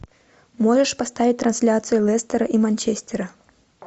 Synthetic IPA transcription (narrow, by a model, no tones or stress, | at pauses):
moʐɛʂpast̪avʲit̚ʲt̪ɾansʲlʲat̪sɨjulˠɛst̪ɛɾɐʔimanʲt͡ɕesʲt̪ʲɛɾɐ